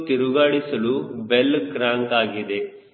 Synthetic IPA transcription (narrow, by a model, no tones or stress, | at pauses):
t̪iɾuɡaːɽisɐlubelkɾãːŋkaːɡid̪e